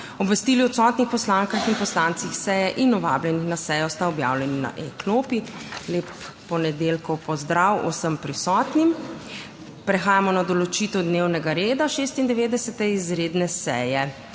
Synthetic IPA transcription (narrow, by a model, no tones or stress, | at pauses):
ɔbʋɛst̪iːliɔt̪sɔt̪nixpɔslaːŋkaxinpɔslaːnt̪sixsɛjɛʔinɔʋa̰ːblʲɛnixnasɛjɔst̪aɔbja̰ːwlʲɛnina̰ʔɛkloːpileːpː | ɔnɛd̪elkɔwpɔzd̪ɾawṵsəmpɾisɔːt̪nim | pɾɛxaːjamɔnad̪ɔlɔt͡ʃit̪ɛwd̪newnɛɡaɾeːd̪aʃest̪ind̪ɛʋeːd̪ɛsɛt̪ɛizɾeːd̪nɛsɛ̰jɛ